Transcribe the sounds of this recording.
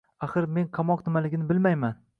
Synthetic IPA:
aχɨɾme̞nqʰɑmɒqnɪmalɪɡʲɪnɪbɪlmajman

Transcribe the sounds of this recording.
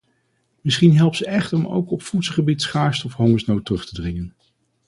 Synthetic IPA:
mɪsχinɦɛlˠpsəɛχtəɔmo̰wkɔpfutsəχəbitsχaːɹstɔfɦɔŋəsnowtːrɵχtədrɪŋən

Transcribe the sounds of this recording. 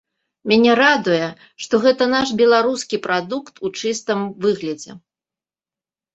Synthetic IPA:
mʲanʲɛɾad̪ujɛ | ʂt̪ɔɣɛt̪ɐnaʂbʲɛlˠaɾuskʲipɾad̪ukt̪ʰut͡ʂɨst̪ɨmvɨɣlʲɐd͡zʲɛ̰

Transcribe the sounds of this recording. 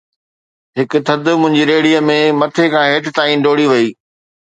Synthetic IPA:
ɦɪk̆t̪ʰɐd̪ʊ̆mʊ̃ɦɪ̃ɲd͡ʑiɾeːɽijəmẽmɐt̪ʰekʰãːɦeːt̪ɪt̪aːinɖoːɽiʋɐiː

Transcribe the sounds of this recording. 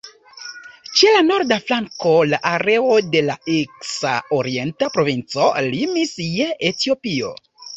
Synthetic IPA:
t͡ʃe̞lano̞ɾdaflaŋko̞laʔaɾe̞ode̞laeksa̰oɾie̞ntapɾo̞vint͡so̞limisjeʔetio̞pio̞̰

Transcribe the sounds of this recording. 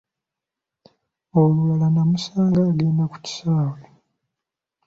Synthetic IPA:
oluwalanamusaːŋɡaːɡeːndaku̥ci̥saːwe

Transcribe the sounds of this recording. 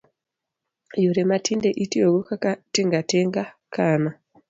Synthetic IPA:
juɾematʰindeʔitioɡokakatiŋɡateŋɡakaːna

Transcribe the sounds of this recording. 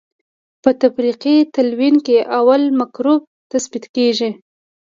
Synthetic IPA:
pət̪afɾiqit̪alwinkeʔawalmakɾob̚t̪asbit̪keʒi

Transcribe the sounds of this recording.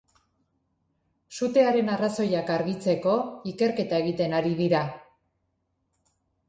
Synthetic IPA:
sut̪e̞aɾe̞naraso̞jakaɾɣit͡se̞ko̞ike̞ɾke̞t̪ae̞ɣit̪e̞naɾiðiɾa

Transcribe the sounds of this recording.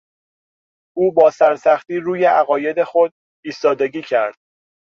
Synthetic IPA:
ʔuːbɒːsæɾsæxt̪iːɾuːje̞ʔæɣɒːje̞d̪e̞xo̞d̪̚ | iːst̪ɒːd̪e̞ɟiːcʰæɾd̪̥̚

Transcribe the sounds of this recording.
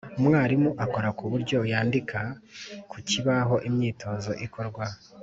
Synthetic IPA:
umŋaːɾimuʔako̞ɾakuβuɾɟo̞jaːndikʰakuciβaɦo̞ʔimɲiːtʰo̞zo̞̰ʔikʰo̞ɾɡwa

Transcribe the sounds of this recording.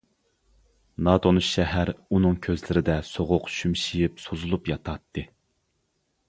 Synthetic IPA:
nɑd̪onɨʃɛɦæɾunɨŋkʲʰøzlɪɾɪd̪ɛsoʁʊqʃymʃijipsozulˠupjɑt̪ʰɑt̪ʰːɨ

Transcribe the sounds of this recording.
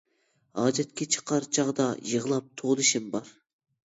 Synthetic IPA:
ɑːd͡ʒɛt̪̚kʲʰɛt͡ʃʰə̥qʰɑɾt͡ʃʰɑʁd̪ɑjəʁəlˠɑp̚t̪ʰolˠɨʃimbɑɾ

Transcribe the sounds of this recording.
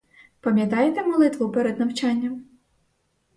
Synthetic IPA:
pɐmʲjɐt̪ɑjet̪emɔlˠɪt̪ʋʊpɛɾɛd̪nɐwt͡ʃɑnʲːɐm

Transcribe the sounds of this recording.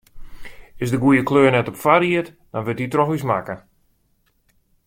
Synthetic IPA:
ɪsdəɡujəkløːnɛtɔpfaɾiət | d̥ɔnʋɪtitrɔxʋismakə

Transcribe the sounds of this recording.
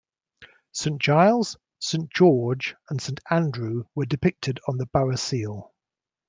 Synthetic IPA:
sẽɪ̃nd̥ʒ̥aɪlˠz̥ | sẽɪ̃nd̥ʒ̥ɔːd͡ʒə̃nsẽɪ̃ntãndɹʉwədɪpɪk̚tʰɪdn̩ðəb̥aɹəsiːlˠ

